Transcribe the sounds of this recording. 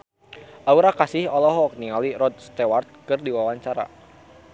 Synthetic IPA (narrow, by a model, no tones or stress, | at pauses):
ʔauɾakasɪhɔlɔɦɔk̚niŋaliɾɔt̪̚st̪ɛwart̪̚kɨrdiwawaɲt͡ʃaɾa̰